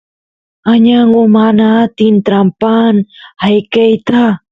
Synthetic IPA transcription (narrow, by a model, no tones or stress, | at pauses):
aɲaŋomanat̪int̪ɾampanhajkejt̪a